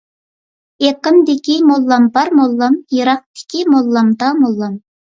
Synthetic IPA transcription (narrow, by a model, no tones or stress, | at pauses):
eqəmd̪ɪkʲimolˠːɑmbɑɾmolˠːɑmjɨɾɑq̚t̪ɪ̥kʲimolˠːɑmd̪ɑmolˠːɑm